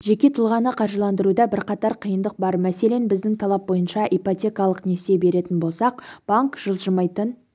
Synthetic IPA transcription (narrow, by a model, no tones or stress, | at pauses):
ʒe̞kʲe̞t̪ʰʊlˠʁɑnəqʰɑɾʒəlˠɑnd̪əɾud̪ɑbɪɾqɑt̪ɑɾqʰijənd̪əq̚bɑɾmæse̞le̞nbɪzd̪ɪŋt̪ʰɑlˠɑp̚bo̞jənʃɑʔipot̪ʲe̞kɑlˠəqnese̞be̞ɾe̞t̪ɪnbo̞lˠsɑq̚b̥aŋkʒ̥əlˠʒəmɑjt̪ən